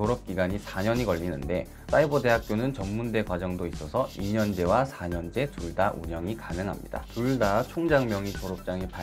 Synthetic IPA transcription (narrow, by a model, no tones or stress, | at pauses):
oɾʌp̚k͈iɡaɲisʰaɲʌɲikʌʎːinɯnde̞ | s͈aibʌde̞ɦak̚k͈jonɯnt͡ɕʌmːunde̞ɡwad͡ʑʌŋdois͈ʌsʰʌiɲʌnd͡ʑe̞wasʰaɲʌnd͡ʑe̞tuɭdaʔṵɲʌŋikanɯŋɦa̰mɲḭda̰tuɭdat͡ɕʰoŋd͡ʑaŋmjʌŋitoɾʌp̚t͡ɕ͈aŋipa